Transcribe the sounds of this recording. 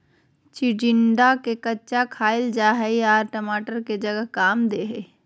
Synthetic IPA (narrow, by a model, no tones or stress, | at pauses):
t͡ʃɪɖɪɳɖakekɐtːt͡ʃakʰaːɪld͡ʒaːɦəiaːɾʈɐmaːʈəɾked͡ʒɐɡəɦkaːmd̪eːɦeː